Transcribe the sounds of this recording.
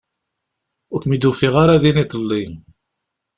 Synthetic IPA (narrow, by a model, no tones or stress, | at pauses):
ʊɾkʷmid̪ufiʁaɾaðinit̪ˤlːi